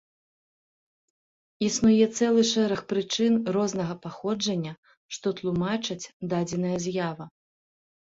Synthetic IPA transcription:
isnujɛt̪sɛlˠɨʂɛɾɐxpɾɨt͡ʂɨnrɔznɐɣɐpaxɔd͡ʐɐnʲːɐ | ʂt̪ɔt̪lˠumat͡ʂɐt͡sʲd̪ad͡zʲɛnɐjɐzʲjavɐ

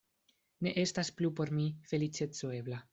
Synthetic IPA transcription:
ne̞ʔe̞stasplupo̞ɾmife̞lit͡ʃe̞t͡so̞e̞bla

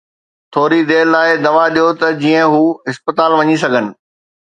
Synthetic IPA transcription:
t̪ʰoːɾid̪eːlːaːɪd̪ɐʋaɗijot̪ɐd͡ʑiːə̃ɦuːɦɪspət̪aːlʋɐɲis̬ɐɡʱənɪ̆

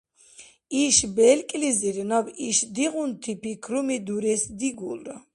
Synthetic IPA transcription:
iʃbɛlkʼliziɾnɔbiʃd̪iʁunt̪ʰipʰikʰɾumid̪uɾɛsd̪iɡṵl

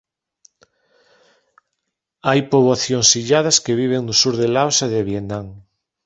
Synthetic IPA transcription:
ajpoβaθjoŋsiʎað̞askeβ̞iβ̞eŋnʊsuɾðelawsaðeβjenaŋ

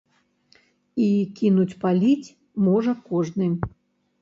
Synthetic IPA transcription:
ikʲinut͡sʲpalʲit͡sʲ | mɔʐɐkɔʐnɨ

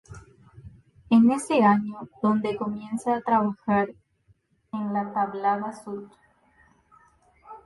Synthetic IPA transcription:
eneseaɲoðo̞nd̪ekomjensaːt̪ɾaβaxaɾ | enlat̪aβlaðasut̪

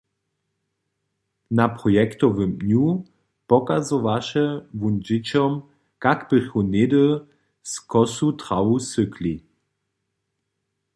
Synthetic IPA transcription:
napʁɔjɛkt̪ɔvəmnu | pɔkazɔvaʃɛvund͡ʒɪt͡ɕɔm | kakb̥ɪxɔnɪd̪ə | skɔsutʁawusɵkli

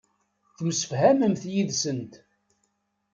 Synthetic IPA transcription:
θmsə̥fhæməmθjiðsənt̪

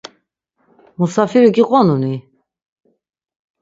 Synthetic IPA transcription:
musafiɾiɡiqʼɔnuni

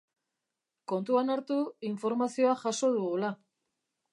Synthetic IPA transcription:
ko̞nt̪uanaɾt̪uiɱfo̞ɾmasio̞aʝaso̞ð̞uɣula

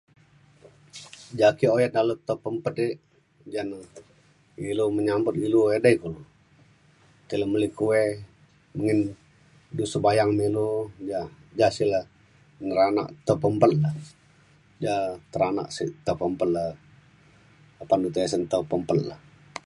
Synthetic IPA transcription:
d͡ʒakiojɛt̪̚nalut̪əpəmpət̪i | d͡ʒanə | iluməɲambət̪iluedəikulu | t̪iləməlikuwe | məŋin | dusəbajaŋmilud͡ʒad͡ʒasilə | nəɾana̰ʔt̪əpəmpəlla | d͡ʒat̪əɾana̰ʔsit̪əpəmpələ | apandut̪esənt̪əpəmpəlla̰

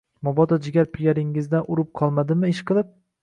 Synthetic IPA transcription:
mɒbɒd̪ɒd͡ʒɪɡʲaɾpʰɪɡʲaɾɪŋːɪzd̪anʊɾɪp̚qʰɒlˠmad̪ɪmɪɪʃqʰɨlˠɪp̚

